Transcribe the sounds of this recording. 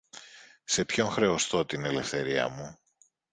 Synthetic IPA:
se̞pço̞ŋxɾe̞o̞st̪o̞t̪ine̞le̞fθe̞ɾiɐ̰mu

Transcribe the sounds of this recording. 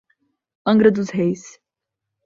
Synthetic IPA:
ə̃ŋɡɾəd̪uzɦejs

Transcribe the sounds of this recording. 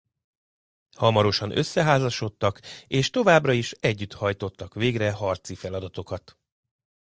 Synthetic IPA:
hɒmɒɾo̞ʃɒnø̞̰sːɛɦaːzɒʃo̞t̪ːɒkeːʃt̪o̞vaːbrɒiʃɛɟːyt̪hɒjt̪o̞t̪ːɒkʋeːɡrɛɦɒrt̪sifɛlɒd̪ɒt̪o̞kɒt̪

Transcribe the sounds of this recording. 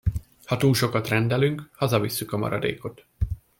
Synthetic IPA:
hɒt̪uːlʃo̞kɒt̪rɛnd̪ɛlyŋkhɒzɒvisːykɒmɒ̰ɾɒ̰d̪ḛːko̞t̪

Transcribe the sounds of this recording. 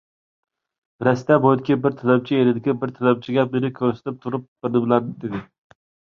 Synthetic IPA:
ɾɛst̪abojd̪ɪkʲɪbɪɾt̪ʰalab̚t͡ʃʰɪeɾɪd̪ɪkʲɪbɪɾt̪ʰalab̚t͡ʃʰɪɡʲap̚lɪɾɪkʲʰɵɾsḁt̪ʰɪp̚t̪ʰʊɾɪp̚b̥ɪɾnɪbɪlˠaɾd̪ɪd̪ed̪ɪ

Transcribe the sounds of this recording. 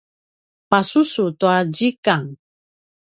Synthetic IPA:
pasusutuaɟikaŋ

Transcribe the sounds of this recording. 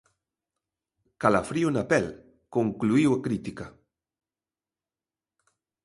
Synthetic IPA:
kalafɾionapɛl | koŋkluiwakɾit̪ika

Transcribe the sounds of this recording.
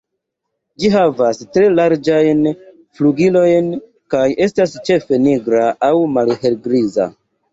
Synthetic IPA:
d͡ʒiɦavastɾe̞laɾd͡ʒajn | fluɡilo̞jn | kaje̞stast͡ʃe̞fe̞niɡɾaʔawmalɦe̞lɡɾiza̰

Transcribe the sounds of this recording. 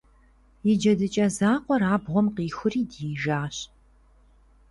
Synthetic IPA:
jɪd͡ʒɐdɨt͡ʃʼɐzaːqʷɔraːbʁʷɔmqiːxʷʊriːdiːʒaːɕ

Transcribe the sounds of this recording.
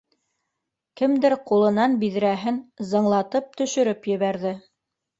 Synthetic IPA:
kɘ̆md̪ɘɾqulˠɤ̆nɑnbiðɾæɦɘnzɤ̆ɴlˠɑt̪ɤp̚t̪ɵ̆ʃɵ̆ɾɘpjɘ̆βæɾðɘ

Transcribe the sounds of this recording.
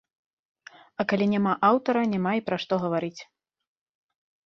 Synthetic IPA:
ɐkalʲinʲamaʔawt̪ɐɾɐnʲamaipɾɐʂt̪ɔɣɐvaɾit͡sʲ

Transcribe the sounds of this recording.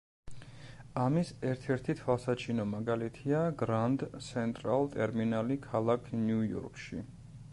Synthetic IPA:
amisɛɾt̪ʰɛɾt̪ʰit̪ʰwalˠsat͡ʃʰinɔmaɡalit̪ʰiaɡɾand̪t̪sʰɛnt̪ʼɾalˠt̪ʼɛɾminalikʰalˠakʰnjujɔ̰ɾkʼʃḭ

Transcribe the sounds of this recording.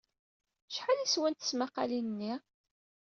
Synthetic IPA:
ʃħaliswænt̪ə̥smaqːɑlinənːi

